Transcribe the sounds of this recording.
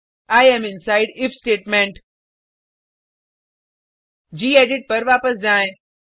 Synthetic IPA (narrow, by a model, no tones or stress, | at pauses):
aːjemɪnsaːɪɖɪfʰsʈeːʈmẽɳʈ | d͡ʑiːeːɖɪʈ̚pɐɾʋaːpəsd͡ʑãːẽ